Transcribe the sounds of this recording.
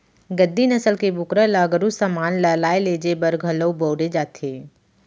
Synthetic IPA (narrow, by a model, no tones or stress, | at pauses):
ɡəd̪ːinɐsəlkebʊkɾəlaːɡəɾusəmaːnləlaːeleːd͡ʒebəɾɡʱələboːɽed͡ʒaːt̪ʰeː